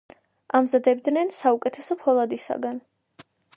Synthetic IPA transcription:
amzad̪ɛb̚d̪nɛnsaukʼɛt̪ʰɛsɔpʰɔlˠad̪isa̰ɡan

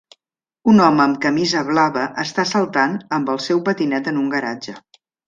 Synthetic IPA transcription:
unɔməːmkəmizəβlaβəʔəst̪asəlˠt̪anəmbəlˠsɛwpət̪inɛt̪ənuŋɡəɾad͡ʒə

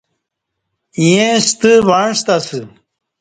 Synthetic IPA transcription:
iẽst̪ɨvaɳst̪asɨ

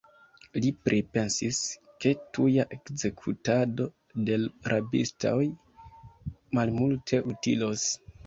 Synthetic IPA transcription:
lipɾʔipe̞nsis | ke̞tujaʔe̞kze̞kʰutado̞ | de̞lɾʔabḭstʰoj | malmultʰe̞ʔutḭlos

